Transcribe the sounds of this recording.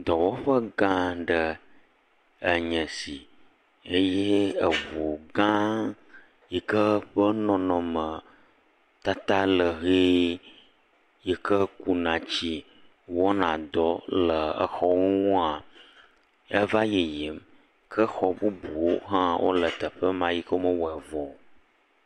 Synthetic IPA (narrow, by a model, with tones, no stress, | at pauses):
d̪ɔ˨wo˦ɸə˦ɡã˦ɖə˨ | ə˨ɲə̃˨si˨ | e˦je˦ə˨βo˨ɡã˦ | jɛ˨kə˦ɸə˦nɔ̃˨nɔ̃˨mə˨ | t̪a˦t̪a˦lə˨ɦe˦ | jɛ˨kə˦ku˦nã˨t͡ɕi˦ | wɔ˦nã˨d̪ɔ˦lə˨ə̰˨xɔ˦wu˦ŋũ˦a˨ | ə˦va˦je˨je˨m | kʰə˦xɔ˨bu˦bu˨wo˦ɦã˦wʔo̰˦lə˨t̪ə˨ɸə˦mã˦ji˦kə˦mə˦wɛ˨vɔ˨